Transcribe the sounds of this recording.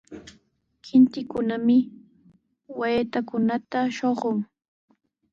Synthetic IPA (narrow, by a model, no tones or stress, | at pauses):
kʰɪnt̪ɪkʊnamɪ | wajt̪akʊnat̪aʃoɢʊŋ